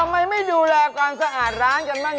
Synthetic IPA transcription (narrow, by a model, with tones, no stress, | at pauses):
a˧mːa˧jma˥˩jduː˧lɛː˧kaː˧nsa˧ʔaː˨˩t̪̚ɾaː˦˥nka˧nmaː˥˩